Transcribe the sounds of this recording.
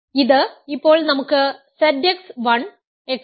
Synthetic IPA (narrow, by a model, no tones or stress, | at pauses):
iðɨipːo̞ːɭnɐmukːɨsɐdeksʋɐɳ | ek